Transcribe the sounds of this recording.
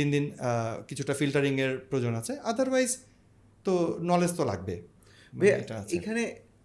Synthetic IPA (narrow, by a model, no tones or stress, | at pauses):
ind̪inkit͡ɕʰuʈafilʈaɾiŋeɾpɾod͡ʑonat͡ɕʰead̪ʱaɾwajz | t̪onɔlest̪ola̰ɡ̚bḛ | beeʈaaeekʰane